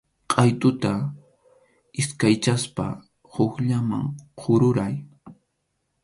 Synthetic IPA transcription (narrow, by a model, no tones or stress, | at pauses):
qʼɑjt̪ʊt̪a | ɪskajt͡ʃaspa̰ | hokʎama̰ŋqʰʊɾʊɾaj